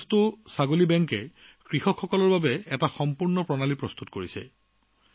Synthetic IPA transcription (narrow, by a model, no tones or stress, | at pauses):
stʊsaɡolibɛŋkɛ | kɹixɔkxɔkɔlɔɹbabɛɛtaxɔmpuɹnɔpɹɔnalipɹɔst̪utkoɹisɛ̰